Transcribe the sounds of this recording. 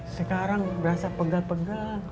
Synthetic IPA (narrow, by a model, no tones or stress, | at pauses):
səkaɾaŋbəɾasapəɡalpəɡal